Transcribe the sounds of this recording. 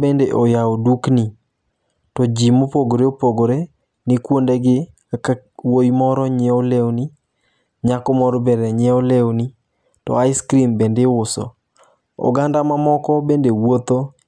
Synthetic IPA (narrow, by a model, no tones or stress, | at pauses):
bendeʔojaodukni | tɔd͡ʒimopoɡoɾeopoɡoɾe | nɪkwondeɡɪ | awojmɔɾɔɲeolewni | ɲakomɔɾɔbɛɾɛɲɛolewni | tɔ̰aɪskɾimbendewʊsɔ̰ | o̰ɡandamamɔkɔbendewot̪o